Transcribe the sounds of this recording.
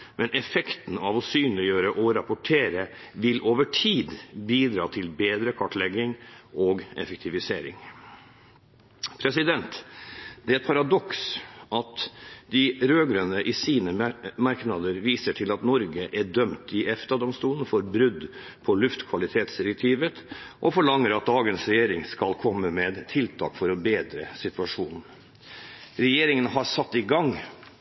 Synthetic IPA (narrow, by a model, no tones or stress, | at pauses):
mʔɛnʔɛfɛkt̪n̩ɑʋɔsyːnəlɪjøːɾəʔɔɾɑpɔʈʰeːɾə | ʋɪlʔoːʋəʈʰiːd̪biːd̪ɾɑ̰ːt̪ʰɪlbeːd̪ɾəkʰɑʈɭɛɡɪŋʔoɡɛ̰fɛk̚t̪ʰɪʋɪseːɾɪ̰ŋ | pʰɾɛsɪd̪ɛnt̪d̪ɛæɛt̪̚pʰɑɾɑd̪ɔksʔɑt̪d̪ɪɾøːɡɾœnəʔɪsiːnəmɑɾknɑd̪əɾʋiːsəʈʰɪlɑt̪nɔɾɡəʔæɖœmt̪ɪʔɛft̪ɑd̪ɔmst̪uːln̩fɔɾbɾʉd̪ | pʰɔlʉft̪kʰʋɑlɪt̪ʰeːt̪sd̪ɪɾɛk̚t̪ʰiːʋət̪ʔɔfɔɭɑŋːəɾɑt̪̚d̪ɑːɡənsɾɛjeːɾɪŋskɑlkʰɔmːəmeːd̪t̪ʰɪlt̪ʰɑ̰ːkfɔɾɔbeːd̪ɾə̰sɪt̪ʉʋɑʂuːnn̩ | ɾɛjeːɾɪŋənhɑɾsɑt̪ːɪɡɑŋ